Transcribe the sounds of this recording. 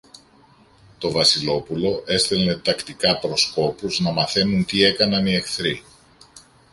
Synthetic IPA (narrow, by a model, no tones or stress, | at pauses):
t̪o̞vɐsilo̞pulo̞ʔe̞st̪ele̞t̪ɐkt̪ikɐpɾo̞sko̞puznɐmɐθe̞nunt̪ie̞kɐnɐnie̞xθɾi